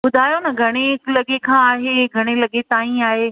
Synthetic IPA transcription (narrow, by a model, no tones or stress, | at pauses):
ɓʊd̪ʱaːjonɐɡʱɐɽ̃elɐɠekʰãːaːɦeːɡʱɐɽ̃elɐɠet̪aːĩaːɦeː